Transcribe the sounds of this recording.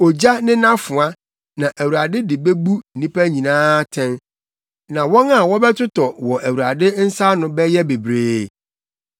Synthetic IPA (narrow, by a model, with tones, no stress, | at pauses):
o˨d͡ʑa˦nɪ̃˦nã˦fʊ˨a˦ | nã˨ʔæ˨wu˨ɾa˨dɪ˦dɪ˨be˦bu˦˨nĩ˦pæ˦ɲĩ˨nãː˦tʰɛ̃˦n | nã˨wɔ̃˦na˨wɔ˦bɛ˦tʰʊ˦tɔ˨wɔ˨ʔæ˨wu˨ɾa˨dɪ˦n̩˦sa˦nʊ̃˦bɛ˦jɛ˦be˨bɾeː˦